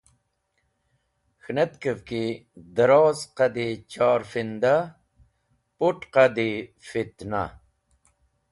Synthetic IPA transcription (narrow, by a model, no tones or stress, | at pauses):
xnet̪kəvkid̪əɾoːzqɐd̪it͡ɕaːɾfind̪a | puʈqad̪ifit̪na̰